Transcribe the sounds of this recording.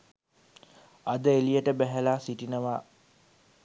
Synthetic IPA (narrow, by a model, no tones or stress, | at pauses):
ad̪əelijəʈəbæɦælaːsiʈinəʋaː